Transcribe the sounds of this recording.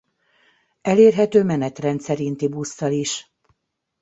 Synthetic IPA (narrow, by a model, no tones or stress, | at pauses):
ɛleːrɦɛt̪øːmɛnɛt̪rɛnt̪sɛɾint̪ibusːɒliʃ